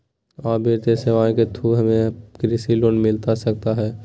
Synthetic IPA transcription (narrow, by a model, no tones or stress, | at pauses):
aːbʱeːɾt̪eseʋaːẽket̪ʰuɦəmẽkɾɪsiloːnmɪlt̪asɐk̚t̪aɦɛː